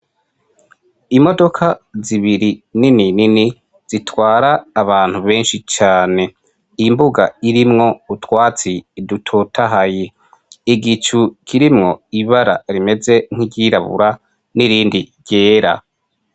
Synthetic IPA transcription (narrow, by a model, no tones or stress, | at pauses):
imo̞do̞kʰaziβiɾinininini | z̥itwaːɾaːβaːn̥huβe̞ːnʃit͡ʃaːne̞ | imbuɡa̰iɾimŋo̞utwaːt͡sidutʰotʰaɦaje | iɡit͡ʃukʰiɾimŋo̞iβaɾa̰ɾime̞ze̞ŋ̥hiɾɟiɾaβṵɾa | niɾiːndiɾɟe̞ːɾa̰